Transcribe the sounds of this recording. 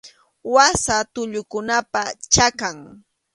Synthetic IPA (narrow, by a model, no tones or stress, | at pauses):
wasat̪ʊʎʊkʊnapat͡ʃakaŋ